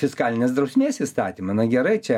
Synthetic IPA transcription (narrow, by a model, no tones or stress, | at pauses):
fʲɪskɑːlʲɪnʲeːsd̪ɾɐʊsʲmʲeːsist̪ɑːt̪ʲimɐnɐɡʲɛɾɐɪt͡ʃʲɛ